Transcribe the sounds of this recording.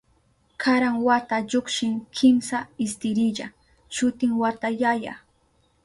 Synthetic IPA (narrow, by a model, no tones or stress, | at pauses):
kʰaɾaŋwat̪aʎokʃɪŋkʰɪmsaɪst̪ɪɾɪʎa | ʃʊt̪ɪŋwat̪ajaja̰